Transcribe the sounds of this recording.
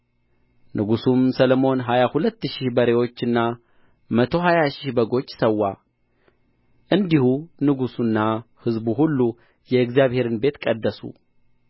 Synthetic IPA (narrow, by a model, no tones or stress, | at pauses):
nʔɨɡusumsəlomo̞nɦajahulət̪ːɨʃɪhbəɾe̞wo̞t͡ʃːɨnːa | mət̪ʰo̞ɦajaʃɪhbəɡo̞t͡ʃːsəwːa | ʔɨnd̪ihunɨɡusunːahɨzbuɦulːu | jɛɨɡzjaβhe̞ɾɨnbe̞t̪kʼəd̪ːəsṵ